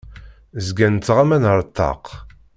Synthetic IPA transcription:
zɡænt͡sːʁamænəɾˤt̪ːɑ̰q

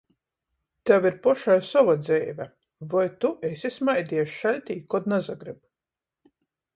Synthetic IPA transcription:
t̪aviɾpɔʃajsɔvad̪zɛːvʲæ | vajt̪uʔesismajd̪iɛʃʃalʲt̪ʲiːkɔd̪nazaɡɾib

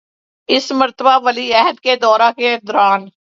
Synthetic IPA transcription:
ɪsməɾt̪əbaʋəliɛɦəd̪ked̪ɔːɾaked̪ʊɾaːn

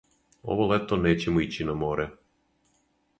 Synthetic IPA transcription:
o̰ʋolet̪oneːt͡ɕemoit͡ɕinamoːɾɛ

